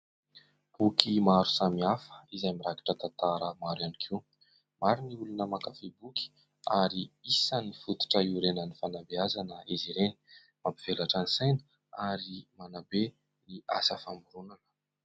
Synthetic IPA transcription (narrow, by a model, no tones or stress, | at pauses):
b̥ukʰimaɾu̥samiafə̥izajmiɾaki̥ʈ͡ʂət̪ant̪aɾəmaɾanikʰi | maɾiniulunəmakafibuki̥ | aɾiisənifut̪u̥ʈ͡ʂəiuɾenənifanabeazanəiziɾeni̥ | mampiv̥elaʈ͡ʂanisajnə̥ | aɾimanabe | nia̰səfambuɾunanə̥